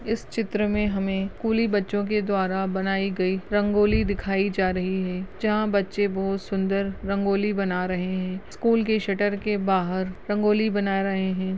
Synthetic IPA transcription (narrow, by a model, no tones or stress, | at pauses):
ɪst͡ʃɪt̪ɾəmẽɦɐmẽskuːlibɐtːʃõk̬ed̪waːɾabɐnaːiɡɐiɾɐ̃ŋɡoːlid̪ɪkʰaːid͡ʒaːɾɐɦiɦɛːd͡ʒɐɦãbɐtːʃebɐɦʊt̪sʊ̃nd̪əɾːɐ̃ŋɡoːlibɐnaɾɐɦeɦɛ̃ːskuːlkeʃɐʈəɾkebaːɦəɾɾɐ̃ŋɡoːlibɐnaːɾɐɦeɦɛ̃ː